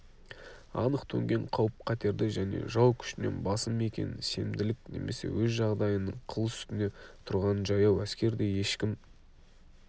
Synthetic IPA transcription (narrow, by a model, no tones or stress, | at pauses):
ɑ̰nəqt̪ʰɵŋɡʲe̞ɴqʰɑwəp̚qʰɑt̪e̞ɾd̪ɪʒæne̞̰ʒɑwkʲʰʏ̥ʃɪne̞̰nbɑsəme̞kʲe̞̰nɪnse̞md̪ɪlɪkne̞̰me̞se̞̰wɵzʒɑʁd̪ɑjənːəɴqʰəlˠəsʏ̥st̪ɪne̞t̪ʰʊɾʁɑnəʒɑjɑwæskʲe̞ɾd̪e̞je̞ʃkʲɪm